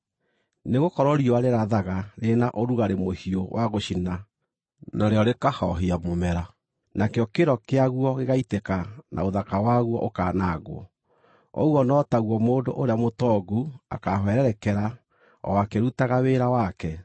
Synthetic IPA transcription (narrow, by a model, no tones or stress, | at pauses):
neɣokɔɾɔɾioaɾeɾaðaɣaɾenaʔoɾuɣaɾemohiowʔaɣoɕina | naɾeɔɾekahɔɦiamomɛɾa | nakeɔkeɾɔkeaɣwɔɣeɣaitekanʔa̰oðakawaɣwɔ̰ʔokaːnaɣwɔ̰ | ɔ̰wɔnɔtaɣwɔmoːndoʔoɾeamotɔɡua̰kaɦwɛɾɛɾɛkɛɾa | ɔ̰akeɾutaɣaweːɾawakɛ